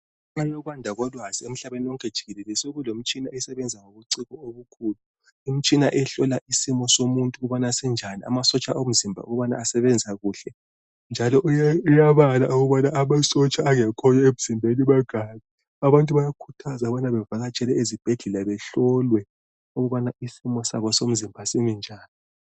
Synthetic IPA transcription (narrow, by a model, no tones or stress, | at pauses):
ŋ͡ǁajɔɣwandʱaɣɔlwaziem̩ɬaβeniwɔŋkʰʼɛd̥ʒ̥ʱiɣɛlɛlɛsoɣulom̩t͡ʃʼinaɛsɛβɛnd͡zʱaŋoβuǀiɣɔoβukʰuːlu | im̩t͡ʃʼinaʔɛɬɔlaʔisimɔsomuntʼuɣuβanasɛnd͡ʒʱanḭa̰masɔt͡ʃʼaʔom̩zimbʱa̰uɣuβana̰ːsɛβɛnd͡zʱaɣuːɬɛ | nd͡ʒʱalɔʔujɛujaβalauɣuβanaamasɔt͡ʃʼaːŋɛkʰɔjɔeβuz̥imbʱeniβaɡ̥ʱaɲɛ | aβantʼuβajakʰutʰazaβanaβɛvaɣat͡ʃʼɛlɛezib̥ʱeɮɛlaβɛɬɔlwɛ | uɣuβanaisimɔsa̰βɔsom̩zimbʱasiŋɛnd͡ʒʱaːni